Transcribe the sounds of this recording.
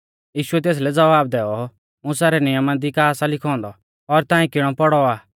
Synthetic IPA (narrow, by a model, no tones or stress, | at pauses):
jiːʃʊɛt̪̬eːs̬lɛd͡zɐʋaːb̚d̪ɛːɔ | mʊ̃saːɾɛnɪjəmad̪ikaːsalɪkʰɔ̃ːnd̪ɔ | ɔɾt̪aːĩkɪɽ̃ɔpɔɽɔaː